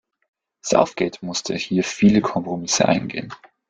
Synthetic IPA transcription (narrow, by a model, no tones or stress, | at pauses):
sa̰ʊfɡ̥ɛːtmʊstʰə̰hiːɐfiːləkʰɔmpʁ̥omɪsə̰ʔa̰ɪnɡḛːən